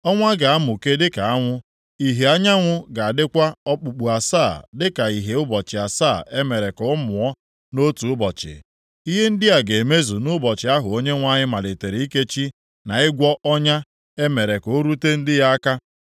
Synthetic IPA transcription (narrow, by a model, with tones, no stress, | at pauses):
ɔ˦ŋʷa˦ɡa˨a˦mʊ˨ke˦dɪ˦ka˨a˦ŋʷʊ˦ | i˨ɦe˨a˦ɲa˦ŋʷʊ˦ɡa˨a˨dɪ˦kʷa˦ɔ˦k͡pu˨k͡pu˨a˨saː˦˨dɪ˦ka˨i˨ɦe˨ʊ˦bɔ˨t͡ʃɪ˨a˨sa˦˨e˦me˨ɾe˨kɔ˨˦mʊ˨ɔ˦ | no˦tu˨ʊ˦bɔ˨t͡ʃɪ̰˨ | i˦ɦe˦n̩˦dɪ˦a˨ɡe˨e˨me˦zu˨nʊ˦bɔ˨t͡ʃɪ˨˦a˦ɦʊ˨o˦ɲe˦ŋʷa˦ɲɪ˦ma˨le˨te˨ɾi˨˦i˦ke˦t͡ʃi˦ | na˨ɪ˦ɡʷɔ˦ʔɔ˦ɲa˦ | e˦me˨ɾe˨ko˨˦ɾu˦te˦n̩˦dɪ˦ja˦a˦ka˦